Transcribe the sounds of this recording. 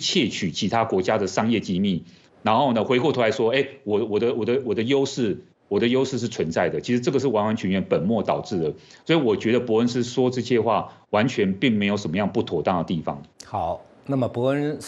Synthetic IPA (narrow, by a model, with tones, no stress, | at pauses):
t͡ɕʰjɛ˥˩t͡ɕʰy˨˩t͡ɕʰi˧˥t̪ʰa˥kwɔ˧˥t͡ɕja˥d̪ə˨ʂɑ˥ŋjɛ˥˩t͡ɕi˥mi˥˩ | na˧˥nxo˥˩ʊnə˩xwe˧˥ɪku˥˩t̪ʰu˧˥la˧˥ɪʂwɔ˥e˥˩ɪwɔ˨˩wɔ˨˩d̪ə˦wɔ˨˩d̪ə˦wɔ˨˩d̪ə˦jo˥ʊʂɻ̩˥˩ | wɔ˨˩d̪ə˦jo˥ʊʂɻ̩˥˧ʂ̬̩˥˩t͡sʰwə˧˦nt͡sa˥˩ɪd̪ə˩t͡ɕʰi˧˥ʂɻ̩˧˥ʈ͡ʂɤ˥˩ɡə˩ʂɻ̩˥˩wa˧˥nwa˧˥nt͡ɕʰy˧˥nɥɛ˧˥npə˨˩nmwɔ˥˩t̪ɑ˨˩ʊʈ͡ʂɻ̩˥˩d̪ə˩swɔ˧˥i˨wɔ˨˩t͡ɕɥɛ˧˥dɾə˧pɔ˧˥ə˧˥nsɻ̩˥˧swɔ˥ʈ͡ʂɤ˥˧ɕjɛ˥˧xwa̰˥˩ | wa˧˥nt͡ɕʰɥɛ˧˥npi˥˩ŋme˧˥ɪjo˧˥ʊʂə˨˩nmə˦jɑ˥˧ŋpu˥˩t̪ʰwɔ˨˥˩t̪a˥˩ŋd̪ə˩t̪i˥˩fɑ̰˨˩ŋxɑ˨˦ʊ | na˥˩mə˩pɔ˧˥ə˦n